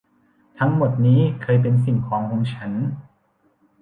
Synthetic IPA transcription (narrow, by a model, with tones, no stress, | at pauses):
t̪ʰa˦˥ŋmo˨˩t̪̚niː˦˥kʰɤː˧jp̬e˧nsi˨˩ŋkʰɔː˩˦ŋhoː˧ŋt͡ɕʰa˦˥n